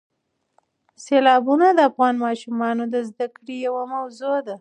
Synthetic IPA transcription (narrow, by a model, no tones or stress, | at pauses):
selɑbunad̪əafɣɑnmɑʃumɑnod̪əzd̪akɽijawamawzod̪a